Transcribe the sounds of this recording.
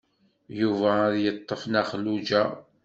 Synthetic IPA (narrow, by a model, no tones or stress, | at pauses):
juvæðjət̪ˤːəfnæχlud͡ʒæ